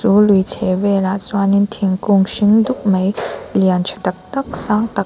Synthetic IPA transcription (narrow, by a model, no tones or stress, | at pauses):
sulujt͡sʰewelat͡swanint̪ʰiŋkuŋʃiŋd̪uk̚məjliant͡ʃʰə̥t̪ɐk̚t̪ɐk̚saŋt̪ɐ